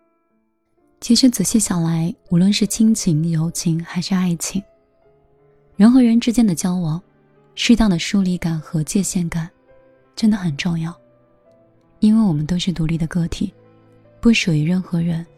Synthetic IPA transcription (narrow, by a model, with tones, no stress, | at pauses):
t͡ɕʰi˧˥ʂɻ̩˧˥t͡sɹ̩˨˩ɕjɛ˥ɕjɑ˨˩ʊla˧˥ɪu˧˥lwə˥˧nʂɻ̩˥˩t͡ɕʰi˥ŋt͡ɕʰi˧˥ŋjo˧˥ʊt͡ɕʰi˧˥ŋxa˧˥ɪʂɻ̩˥˧a˥˩ɪt͡ɕʰi˧˥ŋ | ɻə˧˥nxɤ˧˥ɻə˧˥nʈ͡ʂɻ̩˥t͡ɕjɛ˥nd̪ə˨˩t͡ɕjɑ˥ʊwɑ˧˥ŋ | ʂɻ̩˥˧t̪ɑ˥˩ŋd̪ə˩ʂu˥li˧˥ka˨˩nxɤ˧˥t͡ɕjɛ˥˧ɕjɛ˥˩nka˨˩˦n | ʈ͡ʂə˥nd̪ə˨xə˨˩nʈ͡ʂʊ˥˧ŋjɑ˥˩ʊ | i˥nwe˥˩ɪwɔ˨˩mə˦nt̪o˥ʊʂɻ̩˥˩t̪u˧˥li˥˩d̪ə˩kɤ˥t̪ʰi˨˩˦ | pu˥˩ʂu˨˩y˧˥ɻə˥˩nxɤ˧˥ɻə˧˥n